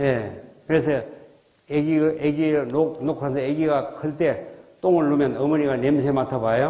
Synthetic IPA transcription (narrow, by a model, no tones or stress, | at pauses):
jekɯɾesʰʌ | eɡieɡinoknokʰansʰʌeɡiɡakʰɯɭt̪et̪oŋɯɭːumjʌnʌmɯniɡanemsʰematʰabajo